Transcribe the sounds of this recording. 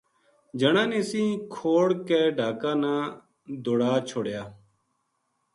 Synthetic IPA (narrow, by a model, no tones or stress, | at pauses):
d͡ʒəɳaːnɪsĩːkʰoːɽkeːɖʱaːkaːnãː | d̪oːɽaːt͡ʃʰoːɽjaː